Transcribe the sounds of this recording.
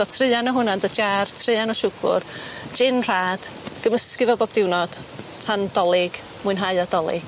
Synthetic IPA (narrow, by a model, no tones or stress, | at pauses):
ɔtʰrɨanɔɦʊnandəd͡ʒartʰrɨɨanɔʃʊɡʊ̰rd͡ʒɪnr̥aːd̥ɡ̥əməskɪvɛlˠboːb̚dɪwnɔd̥tʰandɔlˠɪɡ̥ | muɨnɦaɨadɔlˠɪ̰ɡ̥